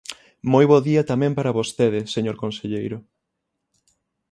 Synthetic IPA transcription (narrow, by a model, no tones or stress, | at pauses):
mojβoðiɐt̪amɛ̃mpaɾɐβost̪eðɪseɲoɾkõnseʎejɾʊ